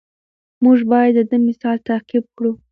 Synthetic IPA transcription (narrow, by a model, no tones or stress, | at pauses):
muʒbɑjad̪ːəd̪əmɪsɑlt̪aqib̚kɽu